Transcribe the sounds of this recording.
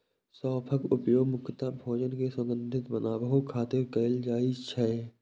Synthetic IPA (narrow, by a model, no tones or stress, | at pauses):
sɔːpʰəkʊpjoːɡmʊkːət̪abʱoːd͡ʒənkesə̃ŋɡə̃nd̪ʱɪt̪bənaːbəɦukʰaːt̪ɪɾkəld͡ʒaːɪd͡ʒt͡ʃʰɛ